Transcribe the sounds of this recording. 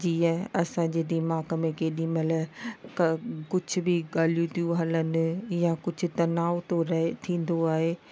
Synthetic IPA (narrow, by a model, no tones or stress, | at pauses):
d͡ʑiːə̃ɐsãɲ̆d͡ʑeːd̪ɪmaːkəmẽkʰeɗiːməlkɐkʊd͡ʑʱʊ̆bɪɠaːlijũt̪ʰijũɦɐlənɪ̆jakʊd͡ʑʱʊ̆t̪ɐnaːot̪oɾɐɦt̪ʰĩːn̆d̪oaːɦeː